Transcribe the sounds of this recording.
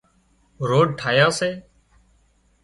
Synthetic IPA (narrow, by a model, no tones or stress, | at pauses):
ɾoːɖʈʰaːjaːseː